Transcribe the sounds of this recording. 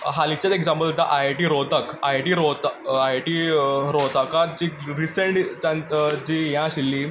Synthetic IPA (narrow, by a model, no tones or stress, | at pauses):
ɦalit͡ɕjat̪ekd͡zãmpəlt̪aʔajʈiːɾot̪əkajʈiɾot̪ajʈiːɾot̪akat̪̚d͡ʑiɾiseɳʈt͡ɕãd͡ʑiːjãɕilːiː